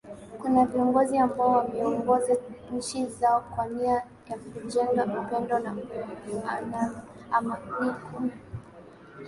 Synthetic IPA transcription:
kunaviɔŋɡɔziambaɔwamɛɔŋɡɔzaɲ̩t͡ʃizaɔkwania | jak̚uʄɛŋɡaupɛndɔna | ana | amawiku

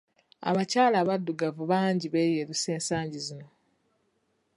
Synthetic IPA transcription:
a̰βacaːlaːβadːuɡavuβaːɲɟiβe̞ːjeɾuse̞ːnsaːɲɟizino̞

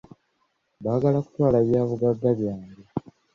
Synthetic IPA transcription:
βaːɡalaku̥twaːlaβjaːβuɡaɡːaβjaːɲɡe

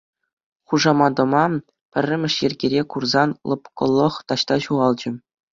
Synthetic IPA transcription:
χuʐɑmɑd̪ɤ̆mɑ | pʲɘ̆rʲːɘ̆mʲɘ̆ʂjɘ̆rʲɡʲeɾʲekurzɑnlˠɤ̰̆pkɤ̆lˠːɤ̆χt̪ɑɕt̪ɑɕuʁɑlˠd͡ʑɘ̆

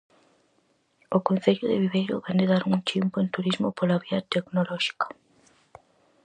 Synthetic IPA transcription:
okon̟θeʎʊðḛβiβejɾo̰βend̪ɪðaɾuŋt͡ʃimpʊent̪uɾizmopolaβiɐt̪eknolɔʃi̥kḁ

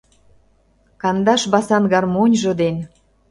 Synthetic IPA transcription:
kɑnd̪ɑʃβɑsɑnɣɑrmonʲʒɤ̆d̪en

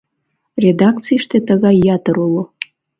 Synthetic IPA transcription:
rʲed̪ɑk̚t͡sijʃt̪et̪əɣɑjːɑt̪əɾulo

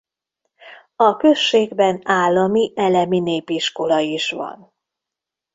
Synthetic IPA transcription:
ɒkø̞ʃːeːɡbɛnaːlːɒmiʔɛlɛmineːpiʃko̞lɒiʃʋɒ̰n

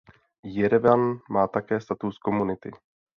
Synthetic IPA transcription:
jɛɾɛvanmaːt̪akɛːst̪at̪uskomunɪt̪ɪ̰

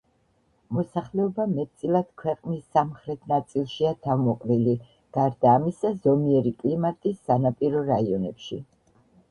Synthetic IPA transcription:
mɔsaχlɛɔbamɛt̪̚ʼt̪sʼilˠad̪̥kʰwɛqʼnisːamχɾɛt̪ʰnat̪sʼilˠʃiat̪ʰavmɔqʼɾili | ɡ̥aɾd̪aːmisazɔmiɛɾikʼlimat̪ʼisːanapʼiɾɔɾaiɔnɛpʃi

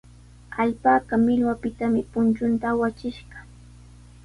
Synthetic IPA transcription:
aʎpaːkɑmɪʎwapɪt̪amɪpʊnt͡ʃʊnt̪aːwat͡ʃɪʃɢɑ̥

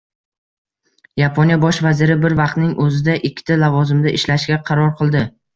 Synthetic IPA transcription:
japʰonjabɒʃvazɪɾɪbɪɾvɑq̚t̪nɪŋʔɵzɪd̪aʔɪkʲːɪ̥t̪ʰalavɒzɪmd̪aʔɪʃlaʃɡʲaqʰɑɾɒɾqʰɨlˠd̪ɪ

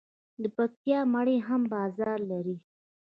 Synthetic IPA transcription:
d̪əpak̚t̪jɑmaɽeɦambɑzɑɾlaɾi

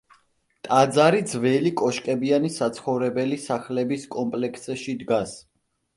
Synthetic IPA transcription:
t̪ʼad̪zaɾid̪zvɛlikʼɔʃkʼɛbianisat̪sʰχɔvɾɛbɛlisaχlɛbiskʼɔmpʼlɛkʰsɛʃid̪ɡas

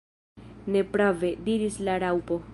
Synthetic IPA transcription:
nepɾavediɾislaɾawpo

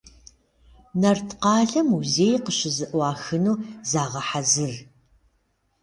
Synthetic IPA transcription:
nɐrtʰqɑːɮɐmuzeːjqəɕɪzɨʔwɑːxɨnuːzaːʁɐħazɨr

